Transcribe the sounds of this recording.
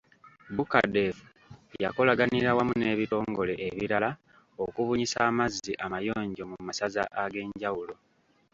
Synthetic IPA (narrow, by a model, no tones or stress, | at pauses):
buka̰de̞fu | ja̰ko̞laɡaniɾawamune̞ːβiɾo̞ːŋɡo̞le̞ʔeβiɾala | o̞kuβuɲisaːmaziʔamajo̞ːɲɟo̞mumasaza̰ʔaɡe̞ːɲɟawulo̞